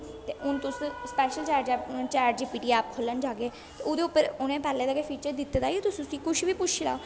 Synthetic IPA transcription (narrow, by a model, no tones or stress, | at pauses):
t̪eːʔʊnt̪ʊsspɛːʃəlt͡ʃaːɾd͡ʒɛːʊnːt͡ʃaːɾʈ̚d͡ʒiːpiːʈiːaːp̚kʰolənd͡ʒaːɡeː | t̪eʊd̪eʊpːəɾʊnẽːpɛːlẽːd̪aɡeːpʰiːt͡ʃəɾd̪ɪt̪ːd̪aːiet̪ʊsʊsĩːkʊʃbiːpʊt͡ʃʰla̰ːo